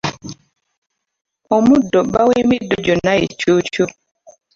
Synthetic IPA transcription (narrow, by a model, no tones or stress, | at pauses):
ɔmudɔbawemidod͡ʒonaḛt͡ʃot͡ʃo